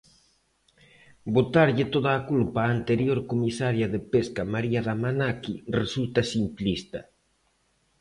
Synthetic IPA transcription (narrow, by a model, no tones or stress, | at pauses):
bot̪aɾʎɪt̪oðaːkulpaːnt̪eɾjoɾkomisaɾjaðepeskamaɾiaðamanakiresult̪asimplist̪a̰